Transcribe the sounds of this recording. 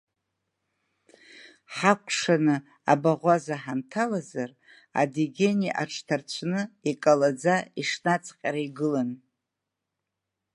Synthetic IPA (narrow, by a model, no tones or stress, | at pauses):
ħakʷʰʼʂanɨ | abaʁʷazaħamtʰalazar | a̰diɡʲe̞niʔaʈ͡ʂʰʼtʰart͡ɕʷʰnɨikʼalad͡zaiʂnat͡sʰʼqʲʼaɾaiɡɨlan